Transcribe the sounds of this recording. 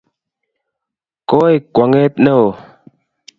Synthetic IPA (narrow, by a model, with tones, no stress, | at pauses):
koː˦jkwa˨ŋe˦t̪̚nə˦o˨